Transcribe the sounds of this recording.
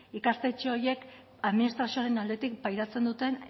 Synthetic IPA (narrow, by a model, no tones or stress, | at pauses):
ikast̪e̞t͡ʃeoɾje̞k | aðminist̪ɾasioaɾe̞nald̪et̪ik̚pajɾat͡se̞nd̪ut̪e̞n